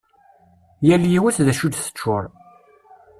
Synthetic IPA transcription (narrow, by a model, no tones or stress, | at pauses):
jæljiwæθðæʃud̪θə̥t͡ʃːʊɾˤ